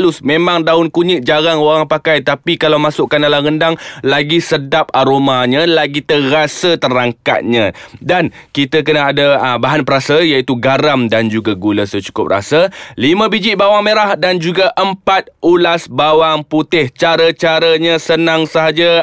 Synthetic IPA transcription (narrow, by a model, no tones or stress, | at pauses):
lʊsmẽmãŋdaʊnkuɲɪʔ̚d͡ʒaɾaŋoɾaŋpakajt̪apikalawmasʊʔkːandalaɣəndaŋlaɡisədap̚aɾomaɲə̃laɡit̪ərasət̪əɾaŋka̰t̪̚ɲãdankit̪ək̬ənaadabaɦanpəɾasəjait̪uɡaɾamdand͡ʒuɡaɡuləsət͡ʃu̥kʊ̰p̚ra̰səlimə̃bid͡ʒɪʔbawaŋmeɾahdand͡ʒuɡaʔəmpat̪̚ulasbawaŋput̪ɪht͡ʃaɾət͡ʃaɾəɲəsənaŋsəɦad͡ʒa